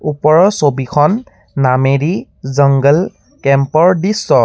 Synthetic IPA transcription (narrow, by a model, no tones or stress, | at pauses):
upɔɹɔsobikʰɔnː | ameɹi | zəŋɡəl | kɛmpɔɹdisːɔ